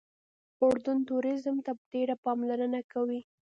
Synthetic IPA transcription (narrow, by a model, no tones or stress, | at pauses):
ʊɽd̪ʊnt̪uɾɪzmt̪apəd̪̥eɽapɑmlaɾənakawi